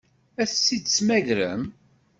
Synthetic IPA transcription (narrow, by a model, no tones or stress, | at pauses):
æθsːid̪t͡sːmæʝɾə̰m